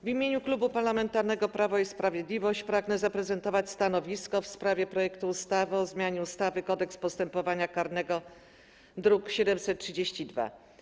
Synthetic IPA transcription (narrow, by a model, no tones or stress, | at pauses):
vʲimʲjeɲuklubupaɾlamɛnt̪aɾnɛɡɔpɾavɔispɾavʲjed̪lʲivɔɕt͡ɕpɾaɡnɛzapɾɛzɛnt̪ɔvat͡ɕst̪anɔvʲiskɔfspɾavʲjɛpɾɔjɛkt̪uːst̪avɘɔzmʲjaɲɛust̪avɘkɔd̪ɛkspɔst̪ɛmpɔvaɲakaɾnɛɡɔ | d̪ɾukɕɛd̪ɛmsɛt̪̚tʂɘd͡ʑeɕt͡ɕid̪va̰